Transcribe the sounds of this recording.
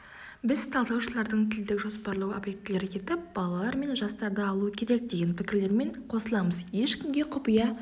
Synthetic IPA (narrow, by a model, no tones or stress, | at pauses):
bɪzt̪ʰɑlˠd̪ɑwʃəlˠɑɾd̪əɴt̪ʰɪld̪ɪkʒo̞spɑɾlˠəwobje̞k̚t̪ɪle̞ɾɪkʲʰe̞t̪ɪp̚bɑlˠɑlˠɑɾme̞nʒɑst̪ɑɾd̪əɑlˠuəkʲʰe̞ɾe̞k̚d̪e̞ɡʲenpʰɪkʲɪɾle̞ɾme̞ɴqʰo̞səlˠɑməzje̞ʃkʲɪmɡʲe̞qʰʊpijɑ